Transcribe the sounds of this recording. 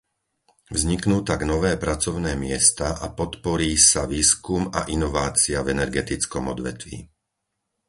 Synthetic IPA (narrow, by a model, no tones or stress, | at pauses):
vzɲiknuːt̪aɡnɔʋɛːpɾat͡sɔʊnɛːmɪɛst̪aʔapɔt̪pɔɾiːsaʋiːskumaʔinɔʋaːt͡siavɛnɛɾɡɛt̪it͡skɔmɔd̪ʋɛ̰t̪ʋḭː